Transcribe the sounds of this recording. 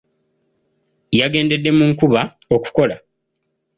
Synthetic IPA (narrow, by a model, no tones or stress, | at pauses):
jaɡe̞ːnde̞dːe̞muŋkuβa | o̞ku̥ko̞la